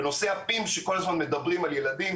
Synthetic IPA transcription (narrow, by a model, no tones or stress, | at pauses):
no̞se̞apimʃeko̞lazmanme̞d̪ɐbʁimalje̞ladim